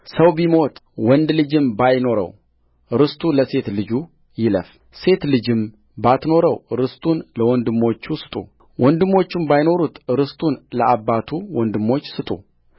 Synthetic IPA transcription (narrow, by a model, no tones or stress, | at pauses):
səwbimo̞t̪ʼwɔnd̪lɨd͡ʒɪmbajno̞ɾə̰w | ɾɨst̪ʼuləse̞t̪lɨd͡ʒu | jɪlə̰f | se̞t̪lɨd͡ʒɪm | bat̪no̞ɾəwɾɨst̪ʼunləwɔnd̪ɨmːo̞t͡ʃːusɨ̥t̪ʼṵ | wɔnd̪ɨmːo̞t͡ʃːumbajno̞ɾut̪ɾɨst̪ʼunləʔabːat̪ʰuwɔnd̪ɨmːo̞t͡ʃːsɨt̪ʼṵ